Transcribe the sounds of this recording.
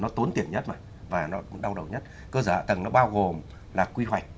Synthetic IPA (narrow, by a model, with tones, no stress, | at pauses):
nɔ˨˦t̪o˨˦nt̪i˨˩ənɲə˦˥t̚ma˨˩j | vaː˨˩nɔ˨˦ɗa˧wɗə˨˩wɲə˦˥t̚ | kəː˧zəː˧˩a̰ː˧˨t̪ə˨˩ŋnɔ˨˦ɓaː˧wɣo˨˩m | laː˨˩kwi˧ɦwa˨˩jk̚